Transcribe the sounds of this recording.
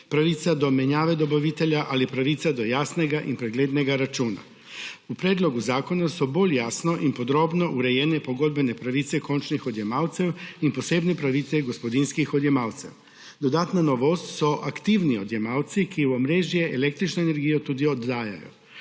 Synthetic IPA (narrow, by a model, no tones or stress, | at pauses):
pɾaʋit̪sad̪ɔmɛɲaːʋɛd̪obaʋit̪ɛljaʔalipɾaʋit̪sad̪ojaːsnɛɡaʔḭnpɾɛɡleːd̪nɛɡaɾat͡ʃuːna̰ | upɾeːd̪loɡuzaːkonasɔboljaːsnoʔinpod̪ɾoːbnoʔuɾejɛːnɛpoɡod̪̚bɛnɛpɾaʋit̪sɛkont͡ʃnixod̪jɛmaːwt̪sɛwinposeːbnɛpɾaʋiːt̪sɛɡospod̪inskixod̪jɛmaːwt̪sɛ̰w | d̪od̪aːt̪nanoʋoːst̪sɔʔakt̪iwniod̪jɛmaːwt̪sikimɾeːʒjɛʔelek̚t̪ɾit͡ʃnɔenɛɾɡijot̪uːd̪iod̪ːaːja̰jɔ̰